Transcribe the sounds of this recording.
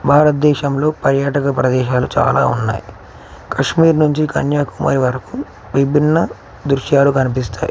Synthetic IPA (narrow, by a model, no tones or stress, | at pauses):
bʱaːɾɐt̪̚d̪ɛːʃɐmlo̞ːpɐɾjaːʈɐkɐpɾɐd̪ɛːʃaːlut͡ʃa̰ːla̰ːṵnːa̰ːji | kɐʂmiːɾnuɲt͡ʃikɐ̰njaːkumɐ̰ɾiʋɐɾɐku | ʋibʱinːɐ | d̪ɾuʃjaːlukɐnip̬ist̪aːjḭ